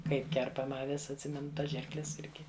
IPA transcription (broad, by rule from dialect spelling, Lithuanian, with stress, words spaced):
ˈkɐɪp ˈkʲɛrpɐmɐ ɐˈʋʲɪs ɐtʲˈsʲɪmʲɛnʊ ˈtɐs ˈʒʲɪrklʲɛs ˈɪrʲɡʲɪ